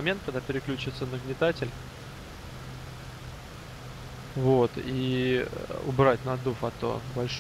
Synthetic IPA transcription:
ɐmʲe̞nt̪kɐɡd̪apʲɪɾʲɪklʲʉt͡ɕɪt̪sənəɡnʲɪt̪atʲɪlʲ | vot̪i | ʊ̰bɾatʲnɐd̪ufɐt̪o̰bɐlʲʂ

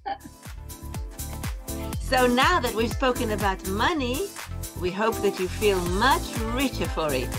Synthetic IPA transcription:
soʊnaʊðɨt̚wiv̥spoʊkɨ̃nɨbaʊt̚mʌniwiɦoʊp̚ðɨt͡ʃɨfilˠmʌt͡ʃɹɪt͡ʃə˞fə˞ɪ̰t̚

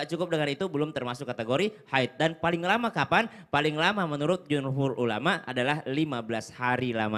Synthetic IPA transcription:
t͡ʃukʊp̚dəŋanit̪ubəlʊmt̪ərmasʊkːat̪eɡoɾihaɪt̪̚danpalɪŋlamakapan | palɪŋlamamənuɾʊt̪̚d͡ʒunɦʊrulamaʔa̰dalahlimabəlashaɾilama

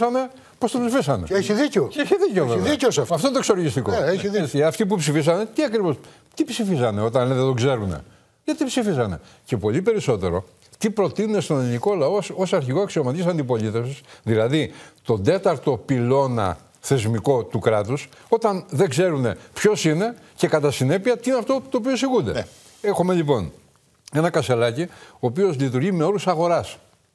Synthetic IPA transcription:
ɐne̞ | post̪opsifisɐne̞̰eçiðiceoeçiðiceoveiceosfɐfonit̪osoloʝist̪ikoeeiðeɐft̪ip̬upsifisɐne̞t̪iɐkɾivo̞s | t̪ipsifizɐne̞o̞t̪ɐnneðet̪oɡze̞ɾune̞̰ | ʝɐt̪ipsifizɐne̞̰ce̞po̞lipe̞ɾiso̞t̪e̞ɾo̞̰ | t̪ipɾo̞t̪inunest̪o̞neliniko̞lɐososɐɾçiɣoɐksiomɐt̪icisɐnd̪ipo̞lit̪e̞fsisðilɐðit̪o̞nd̪e̞t̪ɐɾt̪o̞pilo̞nɐ̰ | θe̞zmiko̞t̪ukɾɐt̪us | ot̪ɐnðe̞ɡze̞ɾune̞pço̞sine̞ | ce̞kɐt̪ɐsine̞piɐt̪iineɐft̪o̞t̪oːp̬iosiɣund̪e̞ | e̞xome̞ʎipo̞n | e̞nɐkɐse̞lɐcio̞ːpio̞zlit̪uɾʝime̞o̞ɾusɐɣo̞ɾɐs

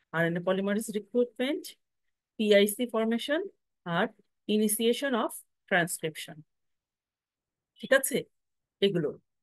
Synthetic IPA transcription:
aɾenepɔlimaɾisɾikɾuʈ̚meɳʈ | piajsifɔɾmeʃon | aɾ | inisieʃonɔf | ʈɾanskɾipʃon | ʈʈʰikat͡ɕʰe | eɡulo̰

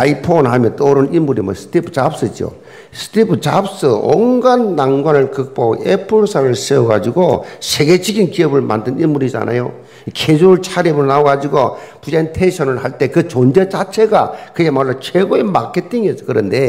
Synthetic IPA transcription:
aipʰonhamjʌnt͈oɾɯnimːuɾimwʌ̰sʰɯ̥tʰipʰt͡ɕaps͈ɯd͡ʑio̰ | sʰɯ̥tʰipʰɯt͡ɕaps͈ɯo̰ŋɡanːaŋɡwanɯɭkɯk̚p͈oepʰɯɭsʰaɾɯɭseoɡad͡ʑiɡosʰeɡe̞d͡ʑiɡinkiʌbɯɭma̰ndɯnimuɾid͡ʑa̰na̰jo | kʰed͡ʑuɾɯɭt͡ɕʰaɾebɯɭnaoɡad͡ʑiɡopud͡ʑaintʰenɕʰʌnɯɭhaɭt͈e̞kɯt͡ɕond͡ʑet͡ɕat͡ɕʰe̞ɡakɯemaɭːot͡ɕʰeɡoemakʰetʰiŋiet͡ɕ͈ʌkɯɾʌnde̞

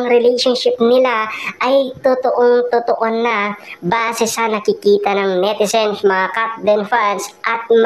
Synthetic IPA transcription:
ŋɾɪlɛjʃonʃɪp̚nɪlaʔɐjt̪ot̪oʔoŋt̪ot̪oʔonɐbaːsɛsɐnɐkɪkiːt̪ɐnɐŋmɛd̪ɪsɛnsmɐŋakat̪̚d̪ɛnfansʔɐt̪̚m

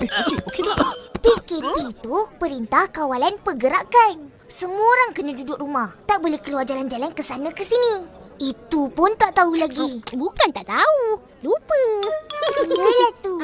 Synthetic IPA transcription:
ehat͡ʃibukilaʔpikɛnpit̪upəɾint̪ahkawalanpəɡəɾakan | səmuəoɾaŋkənãdudʊʔrumaht̪aʔbolɛhkəluard͡ʒaland͡ʒalankəsanãkəsinĩit̪upʊnt̪aʔt̪aulaɡibukant̪aʔt̪au | lupəkəəlat̪u

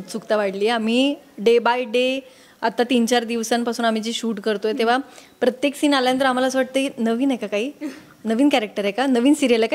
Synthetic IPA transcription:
ut͡sukt̪aʋaɽliːam̤iːɖebajɖe | at̪ːat̪int͡ɕaɾd̪iʋsãnpasuːnam̤it͡ɕiːɕuːʈkəɾt̪ojt̪eʋ̤apɾət̪jeksiːnaljãnt̪əɾam̤alasʋaʈ̚t̪əinəʋiːnajkakaɦiː | nəʋiːnkæɾek̚ʈəɾekanəʋiːnsiɾjelaka

